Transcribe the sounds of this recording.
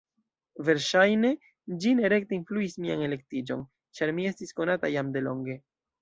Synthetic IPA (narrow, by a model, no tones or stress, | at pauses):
ve̞ɾʃajne̞ | d͡ʒine̞ɾe̞kte̞influismia̰ne̞le̞k̚tid͡ʒo̞̰n | t͡ʃaɾmie̞stisko̞natajamde̞lo̞̰ŋɡe̞